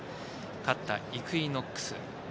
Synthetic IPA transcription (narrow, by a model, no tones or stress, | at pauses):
kat̪ːa̰ikɯ̟inokːɯ̥sɨ̰